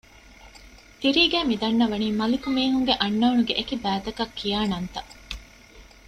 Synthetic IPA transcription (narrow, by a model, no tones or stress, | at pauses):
t̪iɾiːɡæːmid̪ɐnːɐʋɐniːmɐlikumiːɦuŋɡeʔɐnːɐːnuɡeʔekibæːt̪ɐkɐkʰːijaːnɐnt̪ɐ